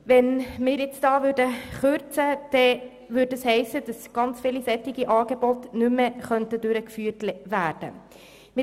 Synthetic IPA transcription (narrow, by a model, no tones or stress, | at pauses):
vɛnmɪːɾjɛt͡sd̥ɑːvʏɾdəχøɾt͡səd̥ɛ | ʋʏɾdəshɛɪsəd̥ɑsɡ̥ɑnt͡sfiːlisɛtɪɡiʔɑːɡebɔtnʉmːəχœntədʉɾəkfyːtʋæːd̥ə̰ | mɪ